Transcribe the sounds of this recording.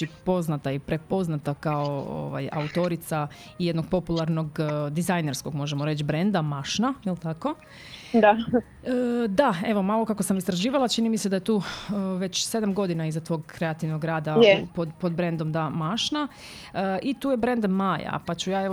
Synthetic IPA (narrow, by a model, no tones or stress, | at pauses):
ipo̞znat̪aipɾe̞po̞znat̪akaoo̰ʋa̰ja̰ut̪o̞ɾit̪sa | ijed̪no̞ɡ̥̚po̞pulˠaɾno̞ɡd̪izajne̞ɾskoɡmo̞ʒemoɾe̞t͡ɕbɾe̞nd̪amaʃnajelt̪ako̞ | d̪a | əd̪ae̞ʋo̞malˠo̞kakosamist̪ɾaʒiːʋalˠat͡ʃinimise̞d̪aje̞t̪uːʋe̞t͡ɕse̞d̪amɡo̞d̪inaizat̪ʋo̞ːɡkɾe̞at̪iʋnoɡɾaːd̪ajpod̪po̞d̪bɾe̞nd̪o̞md̪amaʃna | əit̪uːje̞bɾe̞nd̪maja̰pat͡ɕujaːeʋ